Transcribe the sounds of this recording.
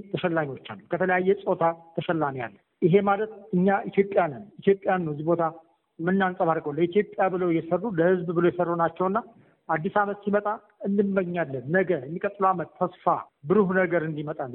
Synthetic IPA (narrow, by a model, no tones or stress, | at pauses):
t̪ʰəʃɛlːaɲo̞t͡ʃːalːəkʰət̪ʰələjajːɛsʼo̞t̪ʰat̪ʰəʃɛlːamija̰lːə | ʔɪɦe̞malət̪ɨɲːaʔit̪jo̞pʼːjanɨnit̪jo̞pʼːjanːwzibo̞t̪ʰa | mɨnːansʼəβaɾɡʼowlːəit̪jo̞pʼjabɨləwjɛsərːuləhɨzbbɨləwjɛsərːonat͡ʃːɛwɨnːa | ʔad̪ːisamət̪simət̪ʼa | ɨnd̪ɨmːəɡɲːalːənːəɡəjɛmːikʼət̪ʼːɨluamət̪ʰːəsfa̰bɨɾuhunəɡəɾɨnd̪imət̪ʼalː